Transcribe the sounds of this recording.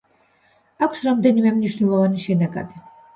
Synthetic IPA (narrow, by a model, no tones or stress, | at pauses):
akʷʰsɾamd̪ɛnimɛmniʃnɛlˠɔvaniʃɛnaɡa̰d̪i